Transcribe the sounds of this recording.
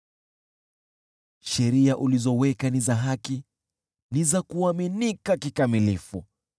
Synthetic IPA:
ʃɛɾiaʔulizɔwɛkanizaɦaki | nizakuaminikakikamilifu

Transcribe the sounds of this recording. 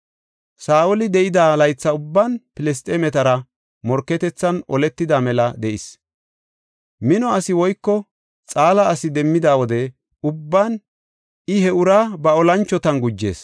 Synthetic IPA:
saːɔlɪd̪ɛʔɪd̪aːlɐjt͡sːɐʊbːɐnpɪlɛs̬t̪ʼeːmɛt̪ɐɾɐ | mɔɾkːɛt̪ɛt͡sːɐnɔ̰lɛt̪ːɪd̪aːmɛlɐd̪ɛʔɪs | mɪnɔɐsɪwɔjkːɔ | t͡sʼaːlɐːsɪd̪ɛmːɪd̪aːwɔd̪ɛ | ʊbːan | ɪhɛʊɾaːbɐɔlɐnt͡ʃːɔt̪ɐnɡʊd͡ʒːe̞̰ːs

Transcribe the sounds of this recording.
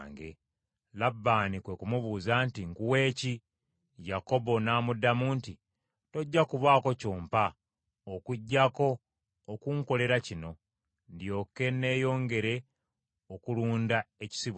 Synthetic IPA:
ŋɡe | labːaːnikwekumuβuːzantiŋkuwe̞ːci | jako̞bo̞naːmudamuːnti | to̞ɟːakuβwaːko̞coːmpa | okuɟːako̞ː | kuŋko̞le̞ɾacino̞ | ndjo̞ːke̞ne̞ːjo̞ːŋɡe̞ɾe̞ | okuluːndaeci̥siβ

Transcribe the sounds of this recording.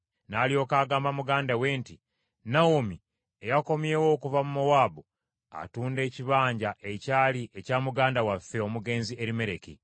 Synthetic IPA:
naːlio̞ːkaːɡaːmbamuɡaːndawe̞ːnti | nawomi | ejako̞mje̞ːwo̞ːkuvamumowaːbu | a̰tuːnde̞ːciβaːɲɟaʔe̞caːliʔe̞caːmuɡaːndawafːe̞o̞muɡe̞ːnzie̞ɾime̞ɾe̞ki

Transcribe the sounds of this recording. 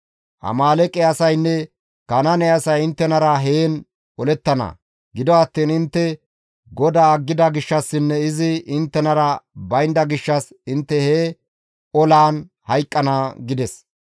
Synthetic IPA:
ʔɐ̰maːlɛkʼːɛɐsɐjnːɛ | kɐnɐnɛɐsɐjɪnt̪ːɛnɐɾɐɦeːn | ɔlɛt̪ːɐnɐ̰ | ɡɪd̪ɔɐt̪ːiːnɪnt̪ːɛ | ɡɔd̪aːɡːɪd̪ɐɡɪʃːɐsːɪnːɛɪzɪɪnt̪ːɛnɐɾɐbɐjnd̪ɐɡɪʃːɐs | ɪnt̪ːɛhe | ɔlaːn | hɐjkʼːɐnɐɡɪd̪ɛs

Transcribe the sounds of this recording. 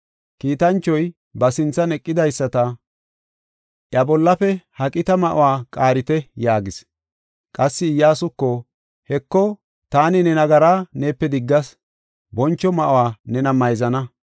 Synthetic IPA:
kiːt̪ɐnt͡ʃːɔj | bɐsɪnt͡sːɐnɛkʼːɪd̪ɐjsːɐt̪ɐ | ʔjɐbɔlːɐfɛhɐkʼɪt̪ɐmɐʔʊwaːkʼaːɾɪt̪ɛjaːɡɪs | kʼɐsːɪːjːaːsʊkːɔ | hɛkːɔ | t̪aːnɪnɛnɐɡɐɾaːneːpːɛd̪ɪɡːɐs | bɔnt͡ʃːɔmɐʔʊwaːnɛnɐmɐjzɐnɐ

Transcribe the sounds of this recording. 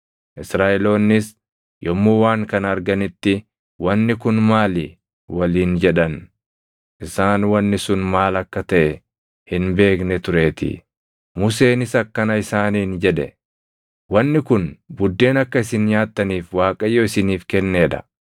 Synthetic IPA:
ʔɪsɾaːʔɛlo̞ːnːɪs | jɔmːuːwaːŋkɐnɐɾɡɐnɪt̪ːɪ | wɐnːɪkʊnmaːlɪ | wɐliːnd͡ʒɛᶑɐn | ʔɪsaːnwɐnːɪsʊnmaːlɐkːɐt̪ɐʔɛ | hɪnbe̞ːknɛt̪ʊɾe̞ːt̪ɪ̰ | mʊse̞ːnɪsɐkːɐnɐɪsaːniːnd͡ʒɛᶑɛ | wɐnːɪkʊnbʊd̪ːe̞ːnɐkːɐɪsɪnɲaːt̪ːɐniːfwaːkʼɐjːoːɪsɪniːfkɛnːe̞ːᶑɐ̥̰

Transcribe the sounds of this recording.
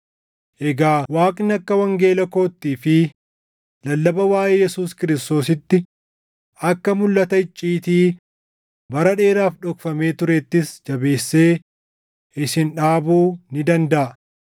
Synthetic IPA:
ʔɛɡaːwaːkʼnɐkːɐwɐŋɡe̞ːlɐko̞ːt̪ːiːfɪ | lɐlːɐbɐwaːʔeːjɛsuːskɪɾɪst̪o̞ːs̬ɪt̪ːɪ | ʔɐkːɐmʊlːɐt̪ɐɪt͡ʃʼːiːt̪iː | bɐɾɐᶑe̞ːɾaːfᶑɔkfɐme̞ːt̪ʊɾɛt̪ːɪsd͡ʒɐbe̞ːsːe̞ː | ʔɪsɪnᶑaːbuːnɪd̪ɐnd̪ɐʔɐ

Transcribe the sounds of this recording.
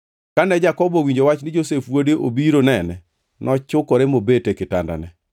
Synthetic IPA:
kanɛd͡ʒakɔbɔwiɲd͡ʒowat͡ʃnɪd͡ʒosefwodeʔobiɾonɛnɛ | nʔɔt͡ʃʊkɔɾemobetekɪta̰nda̰nɛ

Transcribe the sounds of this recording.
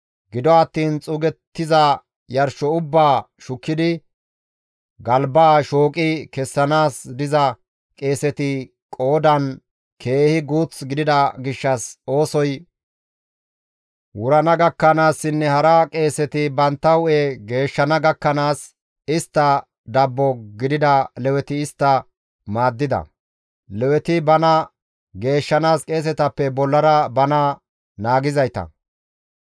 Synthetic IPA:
ɡɪd̪ɔɐt̪ːiːnt͡sʼʊɡɛt̪ːɪzɐ | jɐɾʃɔʊbːaː | ʃʊkːɪd̪ɪ | ɡɐlbaːʃoːkʼɪkɛsːɐnaːsd̪ɪzɐ | kʼe̞ːsɛt̪ɪ | kʼo̞ːd̪ɐn | kʰe̞ːhɪɡuːt͡sɡɪd̪ɪd̪ɐɡɪʃːɐso̞ːsɔj | wʊɾɐnɐɡɐkːɐnaːsːɪnːɛhɐɾɐkʼe̞ːsɛt̪ɪbɐnt̪ːɐwʊʔeɡe̞ːʃːɐnɐɡɐkːɐnaːs | ɪst̪ːɐ | d̪ɐbːɔɡɪd̪ɪd̪ɐlɛwɛt̪ɪɪst̪ːɐ | maːd̪ːɪd̪ɐ̰ | lɛwɛt̪ɪbɐnɐ | ɡe̞ːʃːɐnaːskʼe̞ːs̬ɛt̪ɐpːɛbɔlːɐɾɐbɐnɐ | naːɡɪzɐjt̪ɐ̰

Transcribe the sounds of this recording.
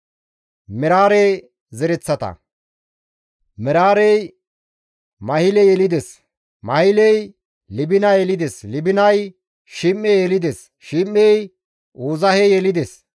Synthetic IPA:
mɪɾaːɾe | zɛɾɛt͡sːɐt̪ɐ̰ | mɛɾaːɾɛj | mɐhɪlɛjɛlɪd̪es | mɐhɪlɛj | lɪbɪnɐjɛlɪd̪eslɪbɪnɐj | ʃɪmːɛjɛlɪd̪es | ʃimːɛj | uːzɐhɛjɛlɪd̪es

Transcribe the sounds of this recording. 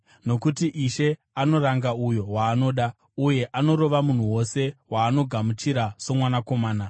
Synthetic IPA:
no̞kutiʔiʃe̞ | ano̞ɾaŋɡaujo̞ɦwaːno̞ːɗa | uje̞ʔano̞ɾo̞ʋamun̤uwo̞se̞waːno̞ɡʱamut͡ʃiɾaso̞mwanako̞maːna

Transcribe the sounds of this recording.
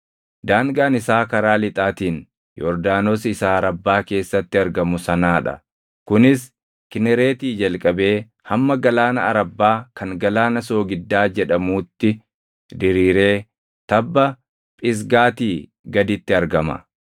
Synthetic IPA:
d̪aːŋɡaːnɪsaːkɐɾaːlɪt̪ʼaːt̪iːn | jɔɾd̪aːnosɪsaːɾɐbːaːke̞ːsːɐt̪ːɪɐɾɡɐmʊsɐnaːᶑɐ̰ | kʊnɪs | kɪnɛɾe̞ːt̪iːd͡ʒɐlkʼɐbe̞ː | hɐmːɐɡɐlaːnɐːɾɐbːaːkɐŋɡɐlaːnɐso̞ːɡɪd̪ːaːd͡ʒɛᶑɐmuːt̪ːɪ | d̪ɪɾiːɾe̞ː | t̪ɐbːɐ | pʼɪs̬ɡaːt̪iː | ɡɐd̪ɪt̪ːɪɐɾɡɐmɐ̰

